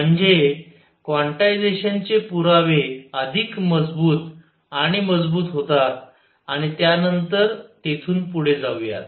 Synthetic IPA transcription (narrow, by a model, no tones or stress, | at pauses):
m̤əɳd͡ze | kʋaɳʈajd͡zeɕənt͡sepuɾaʋeəd̪ʱikməd͡zbuːt̪ | aɽ̃iməd͡zbuːt̪ɦot̪at̪ | aɽ̃it̪janənt̪əɾt̪et̪ʰuːnpuɽ̤ed͡zawja̰t̪